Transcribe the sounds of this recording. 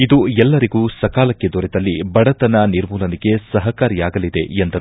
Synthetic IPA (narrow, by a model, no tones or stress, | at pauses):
id̪uɛlːɐɾiɡuːsɐkaːlɐkːe̞d̪ɔɾed̪ɐlːibɐɽɐt̪ɐnɐniɾmuːlɐniɡe̞sɐɦɐkaːɾijaːɡɐlid̪e̞̰end̪ɐɾu